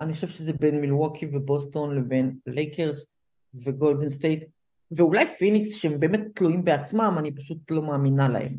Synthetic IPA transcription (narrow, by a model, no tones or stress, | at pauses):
aniχoʃevʃezebe̞nmilwokʰivebo̞sto̞nle̞ve̞nlejkʰeʁs | ve̞ɡo̞ld̪enst̪ejt | ve̞ulajfiniksʃeembe̞ːmet̪ːluimbeat͡smamanipaʃutlo̞maːminala̰ḛm